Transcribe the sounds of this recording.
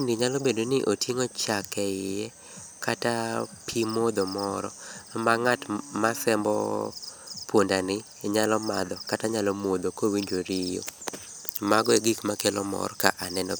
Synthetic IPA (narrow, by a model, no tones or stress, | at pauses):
indiɲalɔbedonɪʔotjeŋot͡ʃakɛɪjɛ | katapʰimod̪omɔɾɔ̰maŋatmasɛmbɔ̰ | pwondanɪ | ɲalɔmad̪ɔkataɲalɔmod̪okowiɲd͡ʒoɾijo̰ | maɡɔeɡikmakelɔmɔ̰ɾkaʔanɛnɔ̰